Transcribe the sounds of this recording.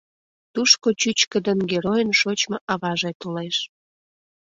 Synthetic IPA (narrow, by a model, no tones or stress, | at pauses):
t̪uʃkot͡ɕyt͡ɕkəd̪ənɡeɾojənʃot͡ɕmə̆ʔɑβɑʒet̪oleʃ